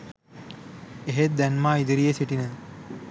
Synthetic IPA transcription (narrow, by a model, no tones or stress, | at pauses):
eɦet̪̚d̪ænmaːid̪əɾijesiʈinə